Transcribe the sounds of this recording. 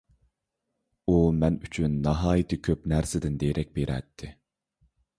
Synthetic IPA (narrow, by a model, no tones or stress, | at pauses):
umɛnyt͡ʃʰynːɑɦɑːjit̪ʰɪkʲʰøpnæɾsɪd̪ɪnd̪ejɾʔɛk̚ʲbeɾɛ̰t̪ʰːɪ